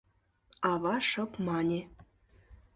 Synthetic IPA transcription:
ɑβɑʂɤ̆pmɑnʲe

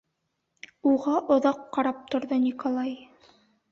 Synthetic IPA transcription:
uʁɑʔŏðɑqːɑɾɑp̚t̪ŏɾðɤnʲikolˠɑj

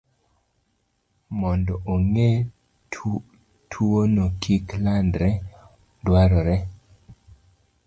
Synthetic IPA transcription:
mɔndɔʔoŋe | tʰuonokʰiklandɾɛ | dwaɾɔɾɛ

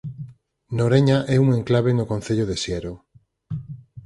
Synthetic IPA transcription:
noɾeɲaʔɛuŋeŋklaβenʊkon̟θeʎoðesjɛɾo

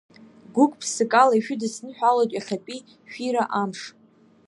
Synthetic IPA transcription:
ɡʷukʼpʰsɨkʼalaiʃᶣʊdɨsnɨħʷᶣalojtʼjaχʲapʼi | ʃiɾaʔamʂ

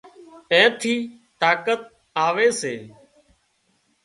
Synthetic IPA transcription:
ẽːt̪ʰiː | t̪aːkət̪̚ | aːʋeːseː

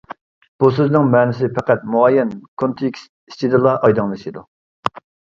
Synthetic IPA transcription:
b̥usøznɪŋmɛːnɪsɪpʰɛqæt̪̚muɑjɛnkʰont̪ʰikʲs | i̥st͡ʃʰid̪ɨlˠɑʔɑjd̪ɨŋlˠɨʃid̪u

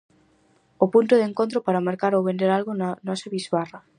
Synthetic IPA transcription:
opunt̪oðeŋkont̪ɾopaɾamaɾkaɾowβend̪eɾalɣonanɔseβizβara

